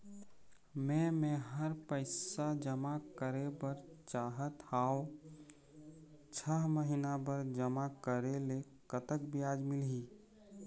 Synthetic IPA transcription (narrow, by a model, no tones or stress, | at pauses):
mẽmẽɦəɾpəɪsad͡ʒəmakəɾebəɾt͡ʃaɦət̪ao | t͡ʃʰəɦməɦinabəɾd͡ʒəmakəɾele | kət̪əkbijad͡ʒmɪlɦi